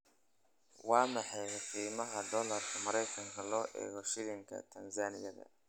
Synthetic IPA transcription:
wɑːmɑħɑjɑqiːmɐɦɐd̪ɔlɐrkʰɐmɐɾɛjkʰɐŋkʰɐlɔːʔɛ̰ːɣɔʃɪlɪŋkʰɐ̰t̪ʰɐnsaːnɪjɐðɐ̰

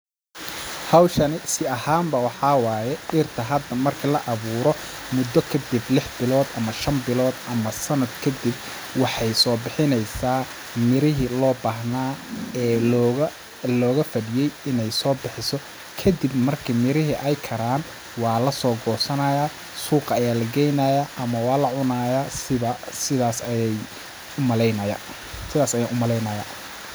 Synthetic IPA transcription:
hɑwʃɐnɪsɪɐhaːmbɐwɑħɑwɑːjɛʔɪrt̪ʰɐɦɐd̪ɐmɐrkʰilɐʔɐβuːɾɔ | mʊd̪ɔkʰɐd̪ɪblɪħbɪlɔːd̪ʔɐmɐʃɐmbɪlɔːd̪ʔɐmɐsɐnɐd̪kʰɐd̪ɪb̚ | wɑħɑjsɔːbɪħɪnɛjsaː | mɪɾɪɦɪlɔːbaːɦnaːɛː | lɔːɣɐfɐdɪjɛjɪnɛjsɔːbɪħɪsɔ | kʰɐd̪ibmɐrkʰimɪɾɪɦɪʔɛjkʰɐɾaːn | wɑːlɐsɔːɡɔːsɐnɐjaː | suːqɐjaːlɐɡɛjnaːjaʔɐmɐwɑːlɐʕʊnajasɪβɐsɪðaːsjɛj | ʊmɐlɛjnɐja̰ | sɪðaːsɐjaːʔʊmɐlɛjnɐja̰ː

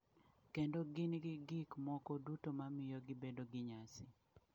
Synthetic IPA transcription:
kendoɡɪnɡɪɡɪkmɔkɔdutomamɪjɔɡɪbedoɡɪɲasɪ

